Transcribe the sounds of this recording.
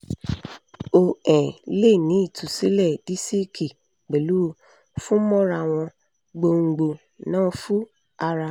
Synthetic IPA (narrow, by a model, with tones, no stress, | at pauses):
o˧ɛ̃˨le˦˨nĩ˨˦i˦˨tʰu˨si˨˦lɛ˦˨d̥i˦si˦kʰi˨ | ɡ͡be˨lu˦˧ | fũ˦mɔ̃˦ɾa˧w̃ɔ̃˧ | ɡ͡bo˧ŋ̩˧ɡ͡bo˧ | nãː˦fu˦ | a˧ɾa˧